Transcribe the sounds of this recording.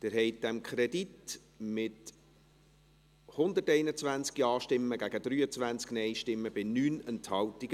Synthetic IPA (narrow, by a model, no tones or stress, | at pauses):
d̪̥ɪɾɦɛɪt̚d̥ɛmkʰχɾɛdit | mɪt | hʊnd̪ətɛɪnət͡svʋænt͡skiɑːʃtɪmːəɡæɡ̥əd̥̪ɾyːət͡sʋænt͡sknɛɪjʃtɪmːəb̥ɪnyːnɛnthɑwtiɡ